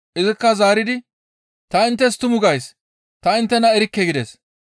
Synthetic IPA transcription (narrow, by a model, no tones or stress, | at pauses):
ʔɪzɪkːɐzaːɾɪd̪ɪ | t̪ɐɪnt̪ːɛs̬t̪ʊmʊɡɐjs | t̪ɐɪnt̪ːɛnɐɛɾɪkːɛɡɪd̪ɛs